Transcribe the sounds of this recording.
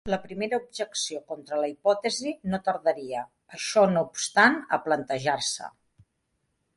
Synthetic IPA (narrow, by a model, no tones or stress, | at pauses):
ləpɾimeɾəub̚ʒəksiokɔnt̪ɾələipɔt̪əzinot̪əɾðəɾiə | əʃɔnoupst̪anə̰plənt̪əʒarsə̰